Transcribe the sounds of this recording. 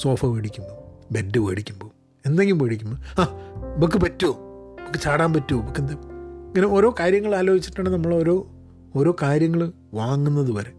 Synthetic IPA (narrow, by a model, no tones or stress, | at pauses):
so̞ːfɐʋeːɽikʲːumboːbedːɨʋeːɽikʲːumboː | end̪eŋɡilumʋeːɽikʲːumboaːbɐk̬ːɨpɐtːuoːbɐkːɨt͡ɕaːɽaːmpɐtːuobɐkːend̪eŋːɐneo̞ːɾo̞ːkaːɾjɐŋːɐɭaːloːɦit͡ɕːi̥ʈːaːɳɖɨnɐmːɐɭo̞ːɾo̞ː | oːɾo̞ːkaːɾjɐŋːɐɭ | ʋaːŋːunːɐðɨpɐɾe